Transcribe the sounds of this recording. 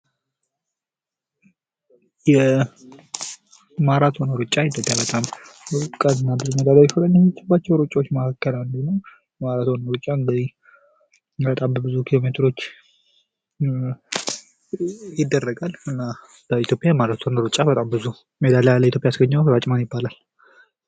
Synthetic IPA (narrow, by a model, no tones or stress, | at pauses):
jɛ | maɾat̪ʰonoɾut͡ʃʼːaɪt̪ʰo̞pʼjabət̪ʼamkʼəd̪ɨnːabɨzumed̪alajɛfələɲːɛmːɪt͡ʃːɪbːat͡ʃːɛwɾut͡ʃʼawot͡ʃːməkakʰːəland̪unəw | jjɛmaɾat̪ʰonoɾut͡ʃʼːaɨŋɡɨzi | bət̪ʼambəbɨzukʰilo̞me̞t̪ʰɨɾo̞t͡ʃː | jɪd̪ːərːəɡalɨnːa | b̥əit̪ʰjopʼjajɛmaɾat̪ʰonoɾut͡ʃʼabət̪ʼambɨzu | med̪alləit̪ʰjopʼjasɡəɲːawkɾat͡ʃʼɪmanjɪbːalal